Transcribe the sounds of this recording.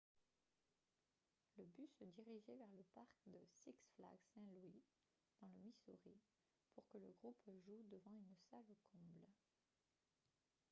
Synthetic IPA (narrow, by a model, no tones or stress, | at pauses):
ləbysəd̪iʁiʒevɛʁləpaʁkd̪əsiksfla̰ɡsɛ̃lwi | d̪̥ɑ̃ləmisuʁi | puʁkələɡʁupʒud̪əvɑ̃ynsalokʰɔ̃bl